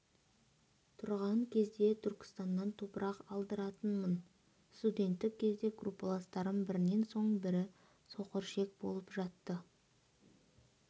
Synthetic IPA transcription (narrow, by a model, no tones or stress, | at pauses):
t̪ʰʊɾʁɑŋkʲʰe̞zd̪e̞t̪ʰʏɾkʲɪ̥st̪ɑnːɑnt̪ʰo̞pəɾɑqɑlˠd̪əɾɑt̪ənmən | st̪ud̪ʲe̞nt̪ːɪk̚ʲʰːe̞zd̪e̞ɡrupːolˠast̪ɑɾənbɪɾɪne̞nso̞ɴbɪɾɪ | so̞qəɾʃe̞k̚bo̰lˠəpʒɑt̪ːə